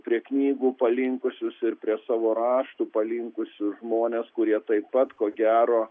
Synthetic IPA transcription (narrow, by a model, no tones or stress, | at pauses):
pʲɾʲiɛknʲiːɡuːpɐlʲɪŋkʊsʲʊsɪrpʲɾʲiɛsɑːʋoːɾɑːʃt̪uːpɐlʲɪŋkʊsʲʊʒmoːnʲeskʊɾʲiɛt̪ɐɪppɐt̪koːɡʲæːɾoː